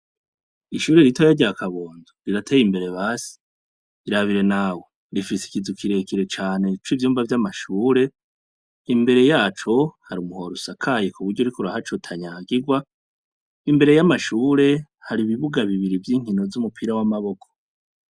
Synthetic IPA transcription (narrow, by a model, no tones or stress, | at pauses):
iʃuːɾeɾitʰojaɟakʰaβo̞ːnzoɾiɾatʰe̞ːjimbe̞ɾe̞βaːsi̥ | iɾaβiɾe̞naːwo | ɾifisi̥kizukʰiɾe̞kiɾe̞t͡ʃaːne̞t͡ʃwivjuːmvavjamaʃuːɾe̞ | imbe̞ɾe̞jaːt͡ʃo̞haɾumuɦo̞ɾusakʰajekʰuβuɾɟouɾikuɾahat͡ʃotʰaɲaːɡiɡwa | imbe̞ɾe̞jamaʃuːɾe̞haɾiβiβuɡaβiβiɾivjiːŋ̥hino̞zumupʰiɾawamaβo̞kʰo̥